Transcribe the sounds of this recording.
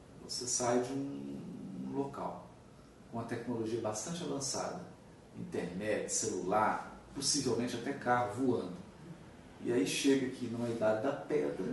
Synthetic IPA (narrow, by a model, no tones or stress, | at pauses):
vo̰sesajd͡ʒɪũ | loka̰w | kõũmɐt̪ɛknoloʒiɐbast̪ɐ̃nt͡ʃɪavɐ̃sa̰d̪ɐ | ĩnt̪eɾnɛt͡ʃɪ̥selulaɾposivewmẽt͡ʃɪat̪ɛkaʊvuɐ̃nd̪ʊ | ɪ̰aiʃeɡɐkʰɪnɐ̃w̃ɛid̪ad͡ʒɪd̪ɐpɛd̪ɾɐ